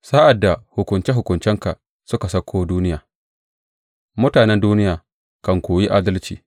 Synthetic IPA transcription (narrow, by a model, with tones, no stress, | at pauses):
saː˦ʔa˨dːa˨hʊ˨kʷʊ˨nt͡ʃɛ˦ɦʊ˨kʊ˨nt͡ʃɛ˦ŋka˨ | sʊ˦ka˨sɐ˦kʰʷːoː˦duː˦nɪ˦jaː˨ | mʊ˦taː˨nɛ˦nduː˦nɪ˦jaː˨ | kɐ˨ŋkʷoː˨ji˦ʔaː˦dɐ˦lt͡ʃḭː˨